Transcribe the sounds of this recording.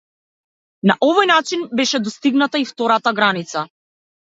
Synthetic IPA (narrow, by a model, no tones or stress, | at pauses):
naʔɔvɔjnat͡ʃinbɛʃɛd̪ɔst̪iɡnat̪aift̪ɔɾat̪aɡɾanit̪sa